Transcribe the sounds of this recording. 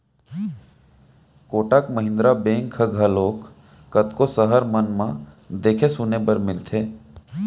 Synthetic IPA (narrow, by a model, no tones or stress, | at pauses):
koːʈakməɦɪ̃nd̪ɾabẽːŋkʰəɡʱəloːkː | ət̪kosəɦəɾmənmã | d̪eːkʰesunebəɾmɪlt̪ʰeː